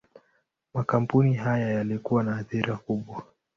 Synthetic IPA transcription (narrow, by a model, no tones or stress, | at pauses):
makam̩puniɦajajalikuwanaːθiɾakuɓwa